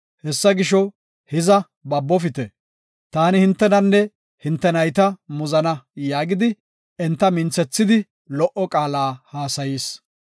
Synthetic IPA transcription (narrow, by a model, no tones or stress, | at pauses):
hɛsːɐɡɪʃɔ | hɪzɐ | bɐbːɔfɪt̪ɛ | t̪aːnɪhɪnt̪ːɛnɐnːɛ | hɪnt̪ːɛnɐjt̪ɐmʊzɐnɐjaːɡɪd̪ɪ | ɛnt̪ːɐmɪnt͡sːɛt͡sːɪd̪ɪ | lɔʔɔkʼaːlaːhaːsɐjiːs